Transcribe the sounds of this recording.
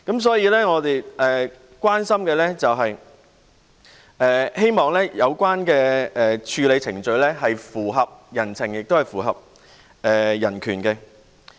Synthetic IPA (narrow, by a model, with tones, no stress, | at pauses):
kɐ˨˥ms̬ɔː˨˥jiː˨˧lɛː˥ŋɔː˨˧t̪e˨jɛː˨ | kʷwaː˥nsɐ˥mkɛː˧lɛ˥t͡sɐ˨wɦɐ˨j | ʔɛː˨he˥jmɔː˨ŋlɛː˥jɐ˨˧wkʷaː˥nkɛː˧ɛː˨t͡ʃʰyː˨˧le˨˧jt͡sʰɪ˨˩ŋt͡ʃɵ˧ɥlɛ˥ɦɐ˨jfuː˨˩ɦɐ˨p̚jɐ˨˩nt͡sʰɪ˨˩ŋjɪ˨k̚t̪o˥whɐ˨jfuː˨˩ɦɐ̰˨p̚ | ɛː˨jɐ˨˩nkʰyː˨˩nkɛ˧